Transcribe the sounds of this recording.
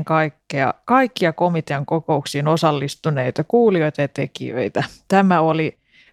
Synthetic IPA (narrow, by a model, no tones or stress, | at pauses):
ŋkɑikːeɑ̰kɑikːiɑko̞mit̪eɑŋkoko̞uksiːnosɑlːist̪uneit̪ɑkuːlio̞jt̪ɑjɑt̪ekḭø̰it̪æt̪æmæoli